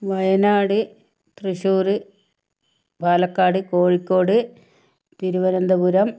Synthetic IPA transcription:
ʋɐjɐnaːɽɨ | t̪rɨɕuːrɨ | bʱaːlɐkːaːɽɨkoːɻikʲːoːɽɨ | t̪iɾuʋɐnɐnd̪ɐbuɾɐm

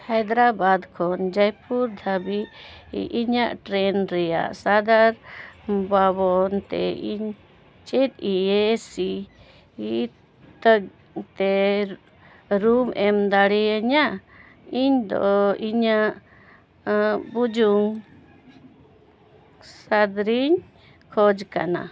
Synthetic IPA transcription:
hajd̪ɾabad̪kʰɔnd͡ʒajpuɾd̪ʱabiʔiɲaʔʈɾɛnɾɛja̰ʔsad̪aɾbabɔnt̪ɛ̰iɲ | t͡ʃɛt̪̚iesi | i | t̪əɡ | t̪ɛ | ɾumɛmd̪aɽɛəɲaʔ | iɲd̪ɔ̰iɲaʔ | bud͡ʒuŋ | sad̪ɾiɲ | kʰɔd͡ʒka̰na̰

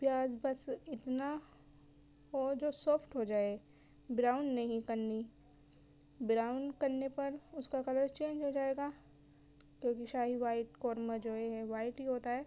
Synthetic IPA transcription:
pjaːd͡ʒbɐsɪt̪na | ɦod͡ʒoːsɔːpʰʈɦod͡ʒaːe | bɾaːʊɳɖnɐɦĩkɐɾni | bɾaːʊ̃nkɐɾnepɐɾʊskakɐləɾt͡ʃẽːnd͡ʒɦod͡ʒaːeːɡaː | kjõːkiʃaːɦiʋaːɪʈkɔːɾməd͡ʒoːeɦɛʋaːɪʈɦiɦoːt̪aɦɛː

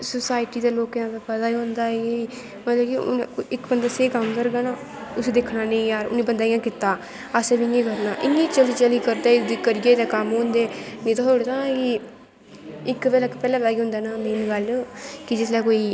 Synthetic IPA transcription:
sʊsaːɪʈiːd̪aːloːkjãːbepət̪aːiːɦʊ̃nd̪aːe | mət̪ləbkiʊ̰nɪkbənd̪aːseːkəmkəɾɡaːnãː | ʊsed̪ekʰnaːnẽĩjaːɾʊ̰nːiːbənd̪aːĩãːkɪt̪aː | asebɪŋẽːkəɾnaːʔɪŋeːt͡ʃəliːt͡ʃəliːkəɾd̪aːd̪ikəɾiɡeːt̪eːkəmɦõːnd̪eːnĩːt̪atoːɽet̪aɡiː | ɪkʋɛːlkpɛːlãːbɛːɡiːɦʊ̃nd̪aːnaːmeːnɡəlkɪd͡ʒɪs̬lɛːkoːiː

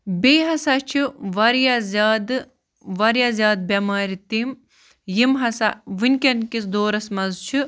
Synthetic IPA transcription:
beːɦɐsat͡ʃʰiʋɐɾjazʲaːd̪ | ʋɐɾjazʲaːd̪̚bʲɐmaːɾit̪im | jimɦɐsaʋɨnʲkʲɐnkisd̪oːɾɐsmɐzt͡ʃʰi

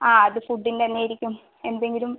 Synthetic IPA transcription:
aːɐðɨfuɖːint̪ɐnːejiɾikʲːum | e̞nd̪e̞ŋɡilum

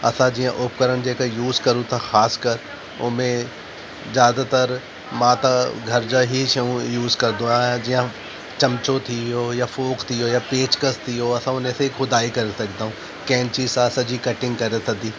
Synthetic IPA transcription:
ɐsãd͡ʑijãʔʊp̚kɐɾəñd͡ʑeːkajuːzkɐɾũt̪ʰaxaːskəɾ | ʊ̰mẽ | zjaːd̪at̪ɐɾ | mãːt̪ɐɡʱɐɾd͡ʑaɦiʃɐũjuːzkɐɾd̪õãːãd͡ʑijã | t͡ʃɐmt͡ʃot̪ʰijojafoːkt̪ʰiɦojapeːt͡ʃkəst̪ʰijoɐsãʊnẽseixʊd̪aːikɐɾesɐkʰd̪aːɦũː | kɛ̃ːnt͡ʃisãsɐd͡ʑikɐʈɪ̃ŋɡkɐɾet̪ɐd̪iː

